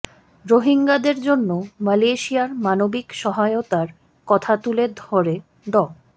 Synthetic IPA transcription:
ɾoɦiŋɡad̪eɾd͡ʑonːomaleʃiaɾmanobikʃɔɦaeot̪aɾ | kɔt̪ʰat̪uled̪ʱɔɾe | d̪ɔ

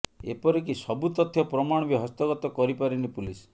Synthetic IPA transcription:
ḛpɔɾekisɔbut̪ɔt̪ʰːjɔpɾɔmaɽ̃ɔbiɦɔst̪ɔɡɔt̪ɔkɔɾipaɾinipulis

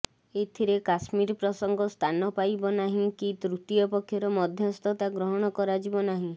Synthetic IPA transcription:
et̪ʰiɾekasmiɾpɾɔsɔŋɡɔst̪ʰanɔpajbɔnaɦĩkit̪ɾut̪iɔpɔkʰjɔɾɔmɔd̪ʱjɔst̪ɔt̪aɡɾɔɦɔɽ̃ɔkɔɾad͡ʒibɔnaɦĩ

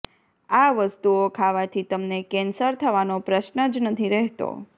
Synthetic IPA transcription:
aʋəst̪uokʰaʋat̪ʰit̪əmnekɛnsəɾt̪ʰəʋanopɾəʃnəd͡ʒnət̪ʰiɾɛɦt̪o̰

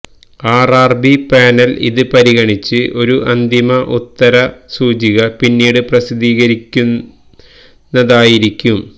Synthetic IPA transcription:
aːraːrbipaːnɐlḭðɨpɐɾiɣɐɳit͡ɕːɨʔo̞ɾuʔɐnd̪imɐʔut̪ːɐɾɐsuːd͡ʑiɣɐpinːiːɽɨprɐsid̪iːɣɐɾikʲːun | ɐðaːjiɾikʲːum

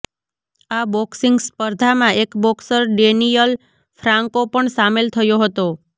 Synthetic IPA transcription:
abɔksiŋɡspəɾd̪ʱamãʔekbɔksəɾɖenijəl | fɾãŋkopəɳsamelt̪ʰəjoɦət̪o

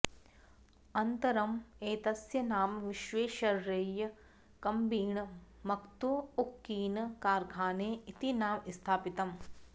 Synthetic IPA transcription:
ɐnt̪ɐɾɐmeːt̪ɐsjɐnaːmʋiʃʋeːʃɐɾːejɐ | kɐmbiːɳ | mɐkt̪uukːiːnkaːɾɡʱaːneːit̪inaːmist̪ʰaːpit̪ɐm

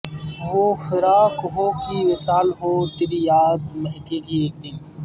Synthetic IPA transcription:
ʋoːfɪɾaːkɦoːkiʋɪsaːlɦoːt̪ɪɾijaːd̪mɐɦkekieːk̚d̪ɪn

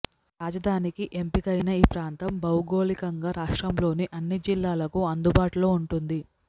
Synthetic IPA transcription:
ɾaːd͡ʒɐd̪ʱaːnikiʔe̞mpikɐjnɐiːpɾaːnt̪ɐmbɐwɡo̞ːlikɐŋɡaːɾaːʂʈɾɐmlo̞ːniʔɐnːid͡ʒilːaːlɐkuɐnd̪ubaːʈulo̞ːuɳʈund̪i

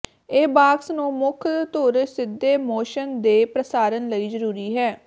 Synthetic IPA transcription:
eːbaːksnũːmʊkʰt̪oɾsɪd̪ːeːmoːʃənd̪eːpɾəsaːɾənləiːzəɾuːɾiːɦɛː

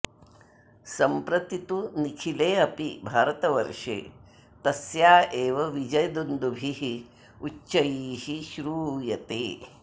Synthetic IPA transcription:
sɐmpɾɐt̪it̪unikʰileːɐpibʱaːɾɐt̪ɐʋɐ̰ɾʂḛː | t̪ɐsjaːeːʋɐʋid͡ʒɐjɐd̪und̪ubʱiɦi | uʃɐjiːhiʃɾuːjɐt̪eː

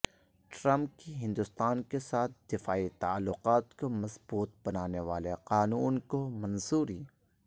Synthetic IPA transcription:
ʈɾɐ̃mp̚kiɦɪ̃nd̪ʊst̪aːnkesaːt̪̚ʰd̪ɪfaːit̪aalːʊqaːt̪komɐsbuːt̪̚bɐnaːneʋa̰ːleqaːnuːnkomɐnzuːɾiː

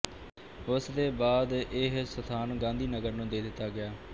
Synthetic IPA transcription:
ʊsd̪eːbaːd̪ɪɦsət̪ʰaːnɡãːnd̪iːnəɡəɾnũːd̪eːd̪ɪt̪ːaːɡɪjaː

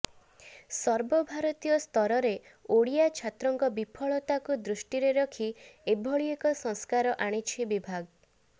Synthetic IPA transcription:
sɔɾbɔbʱaɾɔt̪ijɔst̪ɔɾɔɾe | oɽijat͡ʃʰat̪ɾɔŋkɔbipʰɔɭɔt̪akud̪ɾuʃʈiɾeɾɔkʰiebʱɔɭiekɔsɔŋskaɾɔʔaɽ̃it͡ʃʰibibʱaɡ

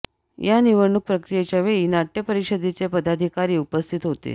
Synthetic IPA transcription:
janiʋəɾɳuk̚pɾəkɾijet͡ɕjaʋeinaʈjəpəɾiɕəd̪et͡sepəd̪ad̪ʱikaɾiːupəst̪ʰit̪ɦot̪ḛ

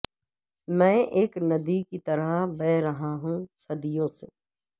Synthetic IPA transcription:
mɛ̃ːʔeːknɐd̪ikit̪ɐɾəbɛːɾɐɦaɦũsɐd̪ɪjõse

